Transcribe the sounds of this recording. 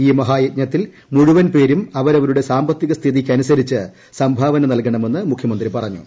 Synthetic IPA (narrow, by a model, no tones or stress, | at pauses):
iːmɐɦaːjit̪̚ɲɐt̪ːil | muɻuʋɐnpe̞ːɾumɐʋɐɾɐʋɐɾuɽe̞saːmbɐt̪ːiɣɐst̪ʰiðikʲːɐnusɐɾit͡ɕːɨ | sɐmbʱɐʋɐnɐnɐlkɐɳɐme̞nːɨmukʰjɐmɐnd̪ripɐrɐɲːṵ